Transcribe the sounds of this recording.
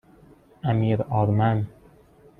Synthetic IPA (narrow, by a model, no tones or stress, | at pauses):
æmiːɾɒːɾmæn